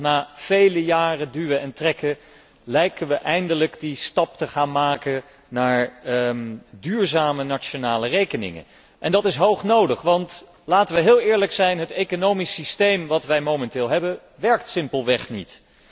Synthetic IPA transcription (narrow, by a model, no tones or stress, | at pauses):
naːv̥ejləjaːrədyʋəɛntrɛkə | lɛjkənʋəʔɛjndələkdistɑp̚təχaːnmaːkə | naːɹ | dyːɹzaːmənat͡ʃonaːlərejkənɪ̰ŋə̰ | ʔɛndɑtɪsɦowχnowdəχʋɑnt | laːtəʋəɦɪːlˠɪːɹləksɛjnɦətekonowmisistejmʋɑtʋɛjmowmɛntɪːlˠɦɛbə | ʋɛɹk̚tsɪmpəlˠʋɛχnḭt